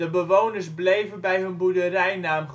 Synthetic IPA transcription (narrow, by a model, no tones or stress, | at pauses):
əbəʋownəɹsblejvənbɛjɦɵnbudərɛjnaːmχ